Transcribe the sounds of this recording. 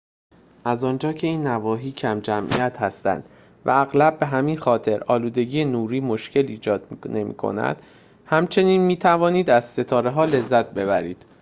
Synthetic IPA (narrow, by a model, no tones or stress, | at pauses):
ʔæzɒːnd͡ʒɒːcʰe̞iːnːævɒːɦiːcʰæmd͡ʒæmʔḭjæt̪hæst̪æ̰nd̪̥ | væ̰æɣlæb̚ːe̞ɦæminxɒːt̪ʰe̞ɾɒːluːd̪e̞ɟiːjenuːɾiːmo̞ʃcʰe̞liːd͡ʒɒːd̪ne̞mḭːkʰo̰næ̰d̪̥ | hæmt͡ʃʰe̞niːnmiːt̪ʰævɒːniːd̪æzse̞t̪ʰɒːɾeɦɒːle̞zːæt̪̚ʰbe̞βæɾiːd̪̥